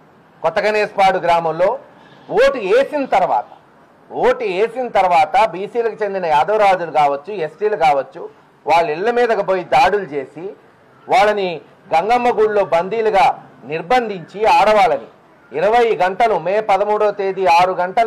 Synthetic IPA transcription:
kɔt̪ːɐɡɐneːspaːɽuɡɾaːmɐmlo̞ː | woːʈieːsinɐt̪ɐɾuʋa̰ːt̪ɐ̥ | ʋoːʈieːsinɐt̪ɐɾuʋaːt̪ɐbiːsiːlɐkut͡ʃe̞nd̪inɐjaːd̪ɐʋɾaːd͡ʒulukaːʋɐt͡ʃːuesʈiːlɐkaːʋɐt͡ʃːu | ʋaːɭːiɭːɐmiːd̪ɐkɐboːjid̪aːɽulut͡ʃe̞ːsi | ʋaːɭːɐni | ɡɐŋɡɐmːɐɡuːɽlo̞ːbɐnd̪iːluɡaːniɾbɐnd̪ʱiɲt͡ʃiaːɽɐʋaːlɐnḭː | ɾɐʋɐjɡɐɳʈɐlumeːpɐd̪ɐmuːɽoːt̪e̞ːd̪iaːɾuɡɐɳʈɐl

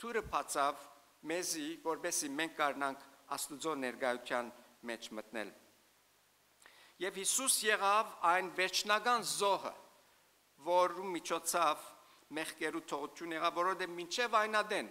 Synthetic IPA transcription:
t̪ʰuɾəpʰɑt͡sʰɑv | mɛzivɔɾbɛsimɛŋk̚ʰɡɑɾnɑŋkʰɑ̰st̪ud͡zɔnɛɾɡɑjut̪ʰjɑn | mɛt͡ʃʰmət̪nɛ̰l | jɛvhisusjɛʁɑvɑjnvɛɾt͡ʃʰnɑɡɑnzɔhə̰ | vɔɾumit͡ʃʰɔt͡sʰɑv | mɛχkɛɾut̪ʰɔʁut̪ʰjunjɛʁɑvːɔɾɔvɛd̪ɛvmint͡ʃʰɛvɑjnɑd̪ɛn

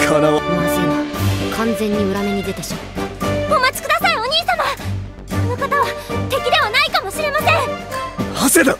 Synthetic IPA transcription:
kʰanaβasekʰãnd͡zẽ̞ɲ̟ːiɯ̟ɾameɲ̟id̪e̞t̪e̞ɕoɡomat͡sɨ̥kɯ̟d̪asaio̞ɲ̟iːsãma | onokat̪aβat̪e̞kʲid̪e̞βanaikamo̞ɕiɾe̞masẽ̞ŋhased̪a

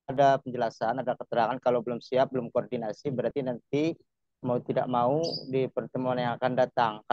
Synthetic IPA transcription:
dapəɲd͡ʒəlasanadakət̪əɾaŋankalawbəlʊmsiap̚bəlʊmkoɔrdinasibəɾart̪inant̪i | maut̪ida̰ʔ̚maudipərt̪əmuanaŋakandat̪aŋka

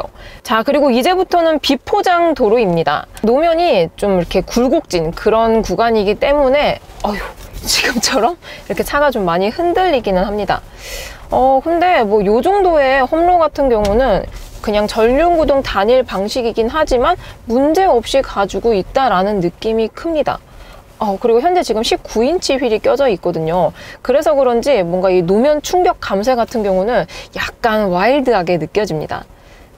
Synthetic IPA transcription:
ot͡ɕakɯɾiɡoid͡ʑe̞butʰʌnɯnpipʰod͡ʑaŋtoɾoimɲida̰nomjʌɲit͡ɕomiɾʌkʰe̞kuɭɡok̚t͡ɕ͈inkɯɾʌnkuɡaɲiɡit͈e̞mune̞ | ajot͡ɕi̥ɡɯmt͡ɕʰʌɾʌmiɾʌkʰet͡ɕʰaɡat͡ɕomːaɲihɯndɯʎːiɡinɯnɦamɲida̰ | ʌkʰɯnde̞mwʌjod͡ʑoŋdoe̞hʌmɾoɡatʰɯnɡjʌŋunɯnkɯɲaŋt͡ɕʌʎːunɡudoŋtaɲiɭpaŋɕʰiɡiɡinɦad͡ʑimanmund͡ʑe̞ʌp̚ɕ͈ikad͡ʑuɡoit̚t͈aɾanɯnːɯk͈imikʰɯmɲida̰ | ʌkɯɾiɡoçjʌnd͡ʑe̞t͡ɕiɡɯmɕʰip̚k͈uint͡ɕʰiɸɥiɾik͈jʌd͡ʑʌit̚k͈ʌdɯɲokɯɾe̞sʰʌkɯɾʌnd͡ʑimwʌnɡainomjʌnt͡ɕʰuŋɡjʌk̚k͈amsʰe̞ɡatʰɯnɡjʌŋunɯnjak̚k͈anwaiɭdɯɦaɡe̞nɯk͈jʌd͡ʑimɲḭda̰

